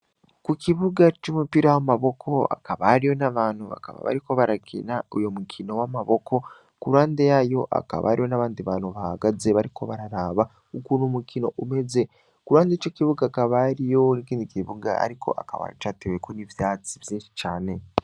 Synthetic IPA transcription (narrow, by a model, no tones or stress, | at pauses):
kukiβuɡat͡ʃomupiɾawamaβo̞kʰo̞a̰kaβahːɾijo̞naβaːnhuβa̰ka̰βa̰βa̰ɾiko̞βaɾakʰḭnaujo̞mukʰino̞wamaβo̞kʰo̞ | kuɾaːndejajo̞ʔa̰ka̰βa̰ɾijo̞naβaːnd̪iβaːnuβaha̰ɡaze̞βaɾiko̞̰βaɾaɾaːβa | ukunomukino̞ʔume̞ze | kuɾwaːnd̪et͡ʃokiβuɡaːkaβaɾijo̞nikiːndikiβuɡa̰a̰ɾiko̞̰ʔa̰kaβa̰jt͡ʃatewekonivjaːt͡sivjiːnʃi̥t͡ʃaːne̞